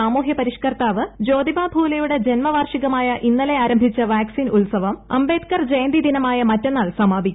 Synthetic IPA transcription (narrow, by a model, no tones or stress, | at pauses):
aːmuːɦjɐpɐɾiʂkɐrt̪aːʋɨd͡ʑo̞ːd̪ibaːbʱuːlɐjuɽe̞d͡ʑenmɐʋaːrʂiɣɐmaːjɐʔinːɐle̞aːɾɐmbʱit͡ɕːɐʋaːksiːnulsɐʋɐmɐ̰mbe̞ːt̪kɐrd͡ʑejnd̪id̪inɐmaːjɐmɐtːe̞nːaːlsɐmaːbʱikʲː